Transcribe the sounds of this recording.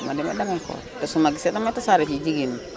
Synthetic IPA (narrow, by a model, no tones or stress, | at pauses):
ma̰dima̰damiŋko̰ | tasumaɡisetamatasaɾafid͡ʒiɡin